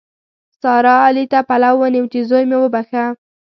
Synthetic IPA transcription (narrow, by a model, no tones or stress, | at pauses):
sɑɾɑːlit̪apalawːənɪmt̪izojmewəbaxa